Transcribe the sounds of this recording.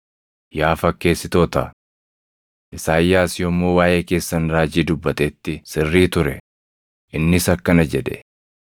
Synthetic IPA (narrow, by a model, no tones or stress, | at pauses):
jaːfɐkːe̞ːsːɪt̪o̞ːt̪ɐ̰ | ʔɪsaːjːaːsjɔmːoːwaːjʔe̞ːke̞ːsːɐnɾaːd͡ʒiːd̪ʊbːɐt̪eːt̪ːɪsɪrːiːt̪ʊɾɛ | ʔɪnːɪsɐkːɐnɐd͡ʒɛᶑ̪ɛ̰